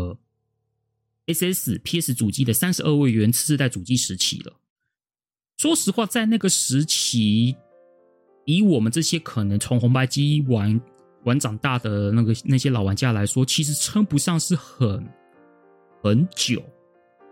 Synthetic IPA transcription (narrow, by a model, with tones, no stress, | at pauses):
e˥se˥s̩˥˩pʰi˥s̩˧˥t͡su˨˩t͡ɕi˥˩d̪ə˨sa˥nʂɻ̩˧ʔə˞˥˧we˥˩ɪɥɛ˧˥nt͡s̩ʰ˥˧˥ɻ̩˥˧a˥˩ɪt͡su˨˩t͡ɕi˥˩ʂɻ̩˧˥t͡ɕʰḭ˨˥˦d̪ə̰˦ | ʂwɔ˥ʂɻ̩˧˥xwa˥˧t͡sa˥˧ɪna˥˩ɡə˩ʂɻ̩˧˥t͡ɕʰi˧˥ | i˧˥wɔ˨˩mə˨˦nʈ͡ʂɤ˥˩ɕjɛ˥kʰə˨˩nɤ˧˦ŋt͡sʰʊ˧˥ŋxʊ˧˥ŋpa˥˩ɪt͡ɕi˥wa˧˥n | wa˧˥nʈ͡ʂɑ˨˩ŋt̪a˥˩d̪ə˩na˥˩ɡə˩na˥˩ɕjɛ˥lɑ˨˩ʊwa˧˦˥nt͡ɕja˥˩la˧˥ɪʂwɔ˥t͡ɕʰi˧˥ʂ̬ɻ̩˧˥ʈ͡ʂʰə˥ŋpu˧˥ʂɑ˥˧ŋʂɻ̩˥˩xə˨˩n | xə˨˧˦nt͡ɕjo̰˨˩˦ʊ